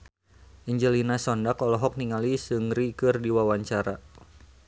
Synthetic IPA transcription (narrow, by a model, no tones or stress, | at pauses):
ʔiɲd͡ʒəlinasɔndakɔlɔɦɔk̚niŋalisɨŋrikɨrdiwawaɲt͡ʃaɾa